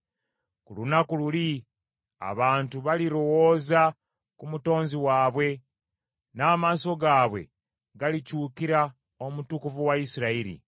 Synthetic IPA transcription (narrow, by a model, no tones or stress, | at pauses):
kulunakululi | a̰βaːntuβaliɾo̞wo̞ːza | kumuto̞ːnziwaːβwe̞ | naːmaːso̞ɡaːβwe̞̰ | ɡalicuːkiɾa | o̞mutukuvuwaisiɾaiɾḭ